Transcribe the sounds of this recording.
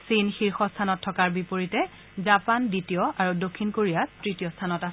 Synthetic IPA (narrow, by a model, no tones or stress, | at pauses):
sinxiɹxɔstʰanɔtʰːɔkaɹbipoɹitɛ | zapanditijɔaɹudokʰːinkoɹijatɹitijɔstʰanɔta